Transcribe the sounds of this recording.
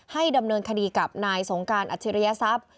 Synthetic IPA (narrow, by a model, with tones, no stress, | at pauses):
ha˥˩jda˧mnɤː˧nkʰa˧diː˧ka˨˩p̚naː˧jso˩˦ŋkaː˧nʔa̰˨˩t̪ʰːi˦ɾa˧ja˧˥sa˦˥˩p̚